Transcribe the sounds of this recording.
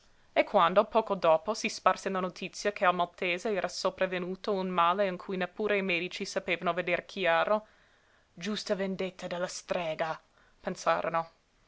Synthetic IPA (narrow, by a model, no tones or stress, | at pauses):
ekʰːwand̪opɔːkod̪oːposisparsenlanot̪ʰit̪sːjakʰealmalt̪eːzeɛːɾʔasopɾavenuːt̪ounmaːleiŋkʰujnepːuːɾeimɛːd̪it͡ʃisapeːvanoved̪erkʰjaːɾo | d͡ʒust̪avend̪et̪ʰːad̪elːast̪ɾɛːɡa | pensa̰ːɾo̰no